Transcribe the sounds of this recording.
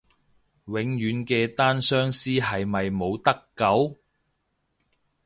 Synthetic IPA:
wɪ˨˧ŋjyː˨˥nkɛː˧t̪aː˥nsœː˥ŋsiː˥ɦɐ˨jmɐ˨jmo˨˧wt̪ɐ˥kːɐ˨˥w

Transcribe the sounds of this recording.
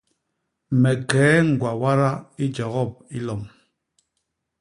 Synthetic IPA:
mɛ˨kɛː˨˦ŋ̩˨ɡwa˨wa˦ɾa˦i˦d͡ʒɔ˨ɣɔ˦˨p̚i˦lɔ˨m

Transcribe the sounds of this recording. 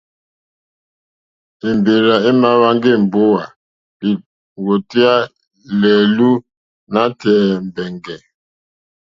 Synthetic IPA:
i˨m˨be˨ɾa˨e˦ma˦βa˦ŋɡe˦˨m̩˨bo˦wa˨ | li˨ | wo˨ti˦a˦ | lɛ˨lu˦ | na˦tɛ˨m̩˨bɛ˨ŋɡɛ˨

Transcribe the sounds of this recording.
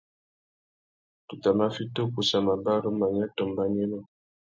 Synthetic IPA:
tu˨ta˨ma˦fi˦to˦ku˨sa˨ma˨ba˦ɾo˦ma˨ɲa˦tɔ˨mba˦ɲɛ˦nɔ˦

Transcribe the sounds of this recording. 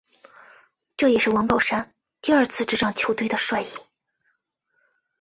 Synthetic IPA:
ʈ͡ʂɤ˥˩jɛ˨˩ʂɻ̩˥˩wɑ˧˥ŋpɑ˨˩ʊʂa˥n | t̪i˥˧ɐ˞˥˧t͡sʰɹ̩˥˧ʈ͡ʂɻ̩˥˩ʈ͡ʂɑ˥˩ŋt͡ɕʰjo˧˥ʊt̪wɪd̪ə˨ʂwa˥˩ɪi˥˩˦

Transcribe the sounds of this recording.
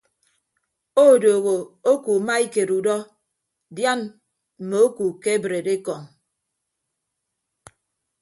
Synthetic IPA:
o˦˨doː˨ɣo˨o˦ku˨ma˦i˦ke˨ɾu˨dɔ˦ | dja˦n | m̩˨me˨o˦ku˨ke˦e˦bɾe˨de˦kɔ˨ŋ

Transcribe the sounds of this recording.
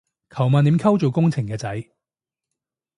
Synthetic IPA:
kʰɐ˨˩wmaː˨niː˨˧˥mkʰɐ˥wt͡so˨˩wkʊ˥ŋt͡sʰɪ˨˩ŋkɛː˧t͡sɐ˨˥j

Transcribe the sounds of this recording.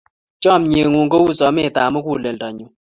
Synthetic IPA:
t͡ʃɔ˦˨mɲe˨ŋu˨ŋɡo˦wu˦sɔ˨˦mɪ˦˨ta˨mɔ˦ku˦˨le˨ldɔ˨ɲʊ˨

